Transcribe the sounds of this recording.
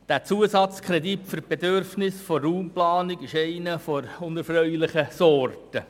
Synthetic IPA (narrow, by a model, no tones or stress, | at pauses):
d̥æt͡suəsɑt͡skʰɾeditfyrb̥edøɾfnɪsfɔːuːmplɑːnɪɡɪʃɛɪnəfoɾʊnɛɾfrœʏlɪχəsɔrtə